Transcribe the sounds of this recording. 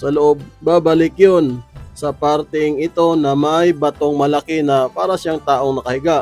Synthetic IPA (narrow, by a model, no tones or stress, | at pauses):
sɐloʔob̚baːbɐlɪkjonsɐpaɾt̪ɛŋɪt̪o̞nɐmajbɐt̪o̞ŋmɐlɐkɪnɐpaːɾɐʃaŋt̪aːʔoŋnɐkɐhɪɡaʔ